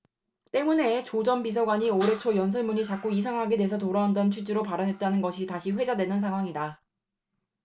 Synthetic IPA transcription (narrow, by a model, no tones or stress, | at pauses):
t͈e̞mune̞t͡ɕod͡ʑʌnbis̬ʰʌɡwaɲioɾe̞t͡ɕʰojʌns̬ʰʌɭmuɲit͡ɕak͈oisʰaŋɦaɡedesʰʌtoɾaɦandʌnt͡ɕʰud͡ʑiɾopaɾʌnɦe̞t̚t͈anɯnɡʌɕʰitaɕʰiɸwe̞d͡ʑadwe̞nɯnsʰaŋɦwaŋida